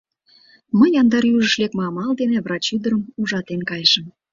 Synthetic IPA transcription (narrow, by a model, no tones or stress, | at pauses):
məjɑnd̪ɑɾjyʒə̆ʃlekmɑmɑld̪enevrɑt͡ɕyd̪əɾəmuʒɑt̪enkɑjʃəm